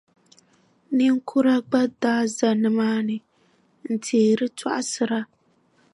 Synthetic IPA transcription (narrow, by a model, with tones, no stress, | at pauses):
ni˦ŋ˦kʰʊ˦ɾa˦ɡ͡ba˦daː˦za˨nɨ˨maː˦nɨ˨ | n̩˨tʰeː˨ɾɨ˦tʰa̰˦ʔa˦sɨ˦ɾa˦